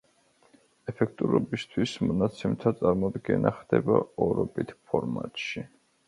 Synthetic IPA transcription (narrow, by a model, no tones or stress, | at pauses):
ɛpʰɛk̚ʰt̪ʼuɾɔbist̪ʰwismɔnat̪sʰɛmt̪ʰat̪sʼaɾmɔd̪ɡɛnaχd̪̥ɛbaɔɾɔbit̪ʰpʰɔɾmat̪ʼʃi